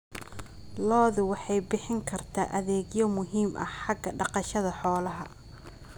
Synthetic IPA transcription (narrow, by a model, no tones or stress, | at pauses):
lɔːðʊwɑħɑjbɪħɪŋkʰɐrt̪ʰa̰ːʔɐðɛːɡjɔmʊɦiːmʔɐ̰hħɑɡɐɖɑqɑʃɐðɐħɔːlɐɦɐ